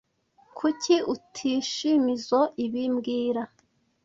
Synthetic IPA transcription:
kʰucʰiʔutʰiːʃimizoʔiβimɡiːɾa

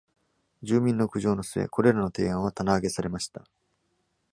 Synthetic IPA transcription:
d͡ʑɨːmʲĩnːo̞kɯ̟ʑo̞ːno̞sɨḛko̞ɾe̞ɾano̞t̪e̞̰ːɡãβ̞at̪anaːɡe̞saɾe̞maɕi̥t̪a

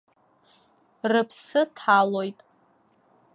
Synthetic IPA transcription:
rɨpʰsɨtʰalojtʼ

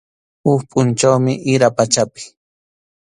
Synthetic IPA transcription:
ʊhpʼʊnt͡ʃawmɪʔɪɾapat͡ʃapɪ̥

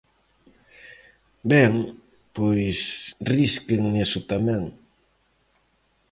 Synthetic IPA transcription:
bɛŋ | pojsriskɪŋnesut̪amɛ̃ŋ

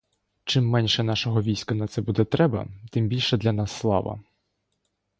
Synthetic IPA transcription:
t͡ʃɪmːɛnʲʃɛn̪ɑʃɔɦɔʋʲijsʲkɐnɐt̪sɛbud̪ɛt̪ɾɛbɐ̰t̪ɪmbʲilʲʃɛd̪lʲɐnɑsːlˠɑ̰ʋɐ̰

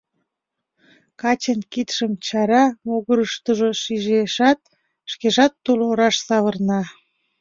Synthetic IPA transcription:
kɑt͡ɕənkit̪ʃəmt͡ɕɑɾɑmoɣəɾəʃt̪əʒoʃiʒeʃɑt̪̚ | ʃkeʒɑt̪ːoloɾɑʃsɑβərnɑ

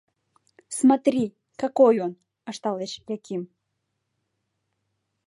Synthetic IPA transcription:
smat̪ɾʲi | kɑkojon | ɑʃt̪ɑleʃjɑkʲʰim

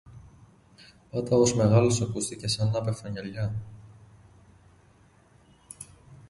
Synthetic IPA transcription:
pɐt̪ɐozme̞ɣɐlosɐkust̪ice̞sɐnɐpefɐɲɐʎɐ

